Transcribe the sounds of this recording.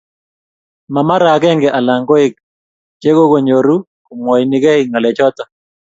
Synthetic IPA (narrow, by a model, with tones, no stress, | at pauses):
ma˨ma˦ɾa˨˦ɡɛ˦ŋɡɛ˨ʔa˨la˨ŋɡɔ˦ɪ˦k̚ | t͡ʃe˦ɡo˦ko˨ɲo˨ɾu˦ | kʊ˨mwɔ˨jnɪ˦ɡɛ˦ɪŋa˨lɛ˨t͡ʃɔ˦tɔ˨